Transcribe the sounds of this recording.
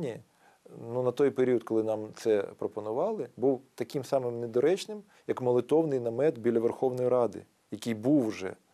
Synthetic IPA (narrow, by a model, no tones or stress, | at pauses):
nʲi | nunɐt̪ɔjpeɾʲiɔd̪̚kɔlˠɪnɑmt̪sɛpɾɔpɔnʊʋɑlˠɪbuwt̪ɐkʲɪmsɑmɪmned̪ɔɾɛt͡ʃnɪm | jɐkmɔlˠet̪ɔwnɪjnɐmɛt̪bʲilʲːɐʋerxɔwnɔjiɾɑd̪ɪ̰ | jɐkʲɪjbuwʒɛ̰